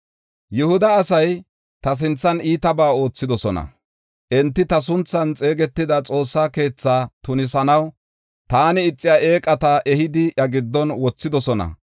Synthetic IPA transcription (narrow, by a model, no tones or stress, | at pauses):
jʊhʊd̪ɐːsɐj | t̪ɐs̬ɪnt͡sːɐniːt̪ɐbaːo̞ːt͡sːɪd̪ɔsɔnɐ̰ | ʔɛnt̪ːɪt̪ɐs̬ʊnt͡sːɐnt͡sʼe̞ːɡɛt̪ːɪd̪ɐt͡sʼo̞ːsːaːke̞ːt͡sːaːt̪ʊnɪsɐnɐw | t̪aːnɪɪt͡sʼːɪjaːʔeːkʼɐt̪aʔɛhɪd̪ɪʔɐɡɪd̪ːɔnwɔt͡sːɪd̪ɔsɔnɐ̰